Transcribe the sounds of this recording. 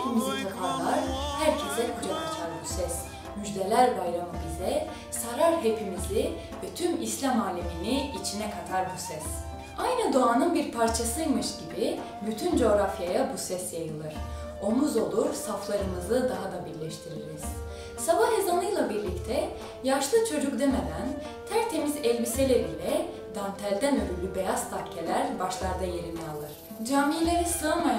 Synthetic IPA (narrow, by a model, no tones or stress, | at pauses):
epʰimizit̪ʰakʰalːˠaɾ̥hæɾcʰe̞sɛkʰud͡ʒakʰat͡ʃʰaɾbusɛs | myd͡ʒd̪e̞lʲæɾbajɾamɯbizɛ | saɾaɾɦe̞pʰimizlʲi | vɛt̪ʰymislʲamaːlʲiminiit͡ʃʰinɛkʰat̪ʰaɾbusɛs | ajnɯd̪oanɯnbiɾpʰaɾt͡ʃʰasɯmɯʃɟibi | byt̪ʰynd͡ʒo̞ɾafjajabusɛsjajɯlˠɯɾ̥ | o̞muzo̞lˠuɾsaflˠaɾɯnɯzɯd̪aɦad̪abiɾlʲɛʃt̪ʰiɾiɾiz̥ | sabahezanˠɯjlˠabiɾlʲict̪ʰɛ | jaʃlˠɯt͡ʃʰo̞d͡ʒuk̚d̪emed̪æn | t̪ʰæɾt̪ʰe̞mizɛlʲbiselʲɛbilʲɛ | d̪ant̪ʰælʲd̪ænøɾylʲybe̞jazt̪ʰakcʰːe̞lʲæɾbaʃlˠaɾd̪aje̞ɾinɛalˠɯɾ̥ | d͡ʒaːmiːlʲe̞ɾisɯamaj